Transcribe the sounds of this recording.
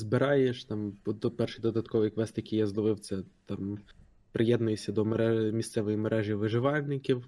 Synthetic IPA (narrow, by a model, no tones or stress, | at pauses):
zbɪɾɑjeʃt̪ɑmd̪ɔpɛrʃijd̪ɔd̪ɐt̪kɔʋɔjkʋɛsʲt̪ɐkʲɪjɐzlˠɔʋɪwt̪sɛt̪ɑm | pɾʔɪjɛd̪nʊjesʲɐd̪ɔmeɾɛmʲist̪sɛʋɔjimeɾʔɛʒiʋɪʒɪʋɑlʲnɪkʲiw